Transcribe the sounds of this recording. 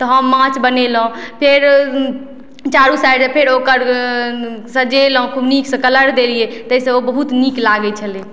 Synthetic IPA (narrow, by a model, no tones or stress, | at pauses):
t̪ɔɦəmːãt͡ʃbənelɦũpʰeɾ | t͡ʃaɾusaɖsẽpʰeɾokəɾ | sə̃d͡ʒeləɦũkʰubniksə̃kələɾd̪elijet̪əɦsə̃obəɦut̪niklaɡɛt͡ʃʰəle